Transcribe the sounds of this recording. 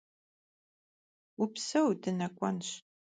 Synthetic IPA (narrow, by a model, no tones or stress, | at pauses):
ʊpsɐwdɨnɐkʷʼɔ̰nɕ